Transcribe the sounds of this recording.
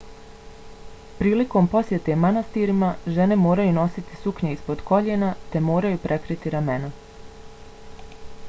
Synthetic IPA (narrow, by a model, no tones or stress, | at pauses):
pɾiːliko̞mpo̞sje̞t̪e̞manast̪iɾimaʒe̞ne̞mo̞ːɾajuno̞sit̪isukɲeispo̞d̪ko̞ʎenat̪e̞mo̞ːɾajupɾʔe̞kɾit̪iɾame̞na